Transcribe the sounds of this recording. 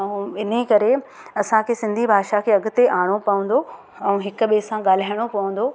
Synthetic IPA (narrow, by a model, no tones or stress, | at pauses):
ɛũɪn̤əkɐɾe | ɐsãkʰesɪ̃nd̪ʱibʱaːʃakʰeːɐɡʊ̆t̪eʔaːɽ̃opɐʋə̃n̆d̪o | ɛ̃ũɦɪkʊ̆ɓesãɠaːl̤aːjɪɽ̃opɐʋə̃n̆d̪oː